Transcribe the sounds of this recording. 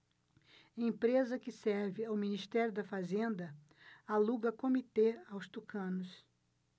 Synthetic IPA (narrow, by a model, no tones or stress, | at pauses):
ẽpɾezɐkɪsɛɾvɪawminist̪ɛɾjʊd̪ɐfazẽnd̪ɐ | aluɡɐkomit̪eawst̪ukʰɐ̃nʊs